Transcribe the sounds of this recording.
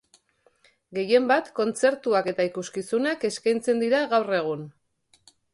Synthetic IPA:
ɡe̞je̞mbat̪ko̞nt͡se̞ɾt̪uake̞t̪aikuskisunake̞skajnt͡se̞nd̪iɾaɣawre̞ɣ̞un

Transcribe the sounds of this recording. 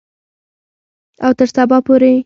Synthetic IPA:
awt̪əɾsabɑpoɾe

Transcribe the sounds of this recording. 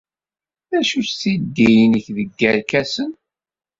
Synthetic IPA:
ðæʃusθid̪ːijnəçðəɡːæɾkæsən

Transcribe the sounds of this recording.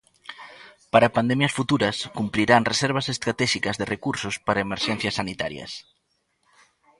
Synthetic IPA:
paɾapand̪ɛmjɐsfut̪uɾɐskumpɾiɾanresɛɾβ̞ɐsest̪ɾat̪ɛʃikɐzðerʔekuɾsʊspaɾaemeɾʃɛn̟θjɐsːanit̪a̰ɾjɐ̰s

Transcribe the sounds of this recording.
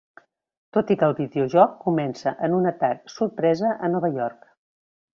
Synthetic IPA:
t̪ot̪ikəlˠβiðiuʒɔkːumɛnsəʔənunət̪ak̚surpɾɛzəʔənɔβəjɔrk

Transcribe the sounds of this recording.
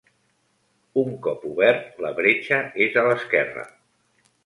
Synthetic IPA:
uŋkɔpuβɛrt̪ləβɾet͡ʃəezələskɛrə̰

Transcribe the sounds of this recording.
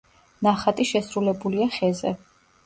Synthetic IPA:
naχat̪ʼiʃɛsɾulɛbuliaχɛzɛ̰

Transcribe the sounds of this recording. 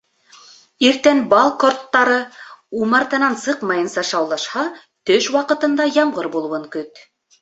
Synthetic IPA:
iɾt̪ænbɑlˠkort̪ːɑɾɤumɑɾt̪ɤ̆nɑnsɤqmɑjɤ̆nsɑʃɑwlˠɑʃhɑ | t̪ɵʃwɑqɤ̆t̪ɤ̆nd̪ɑjɑɴʁɤɾbulˠwɤŋkɵt̪

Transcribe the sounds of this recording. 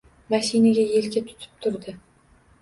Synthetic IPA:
maʃinaɡʲaje̞lɡʲat̪ʰʊ̥t̪ʰɪ̥p̚t̪ʰʊɾd̪ɪ

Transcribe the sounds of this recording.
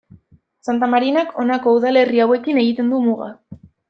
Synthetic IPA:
sant̪amaɾinakʰo̞nako̞uðale̞riawe̞kine̞ɣit̪e̞nd̪umuɣa

